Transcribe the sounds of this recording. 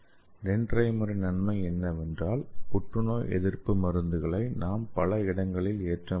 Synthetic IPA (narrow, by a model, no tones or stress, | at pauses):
nɛndrɐɪmɐɾɯnɐnmɐɪɛnːɐʋɛndraːlpʊʈrɯnoːjʔɛ̰ðɪɾpɯmɐɾɯnd̪ɯɣɐɭɐɪnaːmpɐlɐɪɽɐŋɡɐɭɪleːʈrɐ